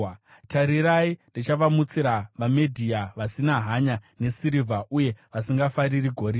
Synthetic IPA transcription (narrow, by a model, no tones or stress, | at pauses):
tʰaɾiɾaindit͡ʃaʋamut͡siɾaʋamedʱiaʋasinaɦaɲane̞siɾivʱaʔuje̞ʋasiŋɡafaɾiriɡʱo̞ɾi